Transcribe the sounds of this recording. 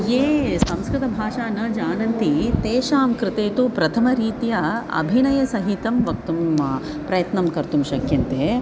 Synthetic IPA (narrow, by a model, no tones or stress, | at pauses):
jeːsɐ̃mskɾɪt̪ɐbʱaːʃaːnɐd͡ʒaːnɐnt̪it̪eːʃaːmkɾɪt̪eːt̪upɾɐt̪ʰɐmɐɾiːt̪ijɐɐ̰bʱinɐjɐsɐɦit̪ɐmʋɐk̚t̪um | pɾɐjɐt̪nɐmkɐɾt̪umʃɐkjɐnt̪e